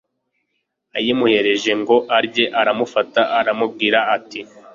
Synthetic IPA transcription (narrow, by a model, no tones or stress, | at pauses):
ajimuhe̞ɾe̞ʒe̞ŋɡo̞ʔaɾɟe̞ʔaɾamufataʔːɾamub̚ɡiːɾaːti